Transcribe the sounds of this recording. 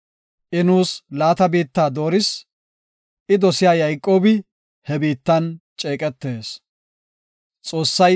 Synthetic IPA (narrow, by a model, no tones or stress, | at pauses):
ʔɪnuːslaːt̪ɐbiːt̪ːaːd̪o̞ːɾɪs | ʔɪd̪ɔsɪjaːjɐjkʼːo̞ːbɪ | hɛbiːt̪ːɐnt͡ʃʼeːkʼɛt̪ːeːs | t͡sʼo̞ːsːɐj